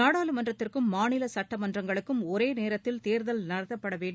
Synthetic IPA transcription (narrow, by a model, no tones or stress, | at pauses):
aːɽaːlɯmɐndrɐt̪ːɪrkɯmːaːɳɪlɐsɐʈːɐmɐndrɐŋɡɐɭɯkːɯmɔɾeːneːɾɐt̪ːɪlt̪eːɾðɐlnɐɾɐðɐpːɐɽɐʋeːɳɖ